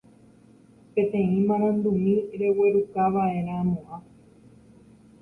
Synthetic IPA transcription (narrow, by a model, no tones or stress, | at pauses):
pẽ̞t̪ẽ̞ĩmãɾ̃ãnd̪umĩɾe̞we̞ɾukaʋae̞ɾ̃ãːmũʔã